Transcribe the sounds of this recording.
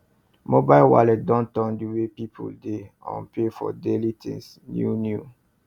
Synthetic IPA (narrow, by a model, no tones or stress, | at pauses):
mobajlwa̰lɛt̚dɔ̃ntɔ̃ndiwepipʰṵldeã̰npefɔ̰delitḭ̃ŋs | njunju